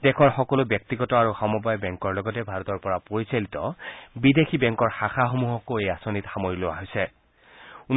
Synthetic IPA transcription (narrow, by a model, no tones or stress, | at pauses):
dɛkʰɔɹxɔkɔlobjɔk̚tiɡɔtɔaɹuxɔmɔbajbɛŋkɔɹlɔɡɔtɛbʱaɹɔtɔɹpɔɹapoɹisalitɔ̰bidekʰibɛŋkɔɹxaxaxomuɦɔkoejasonitxamojilowa̰ɦojsɛ | un